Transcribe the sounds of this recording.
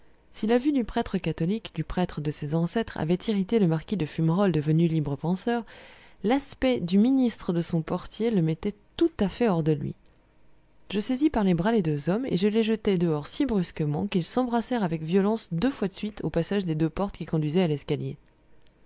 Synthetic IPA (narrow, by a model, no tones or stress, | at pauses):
silavyd̪ypχɛt̪χəkat̪ɔlikd̪ypχɛt̪χəd̪əsezɑ̃sɛt̪χa̰vɛt̪ʰiʁit̪eləmaʁkʲid̪əfymʁɔld̪əvənylibʁəpɑ̃sœʁlaspɛd̪yminist̪χəd̪əsɔ̃pɔʁt̪jeləmɛt̪ɛt̪ut̪afɛɔʁd̪əlɥḭ | ʒəsezipaʁlebʁaled̪øzɔmḛʒəleʒət̪ɛd̪əɔʁsibʁyskəmɑ̃kilsɑ̃bʁasɛʁavɛkvjɔlɑ̃sd̪øfwad̪əsɥit̪ʰopasaʒd̪ed̪øpɔʁt̪kʲikɔ̃d̪ɥizɛalɛskalje